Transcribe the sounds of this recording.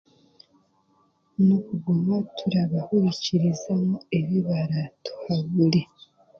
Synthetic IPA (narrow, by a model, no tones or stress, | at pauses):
nokuɡomatʰuɾaβahuɾiciɾizamue̞βiβaɾatʰu̥haβuli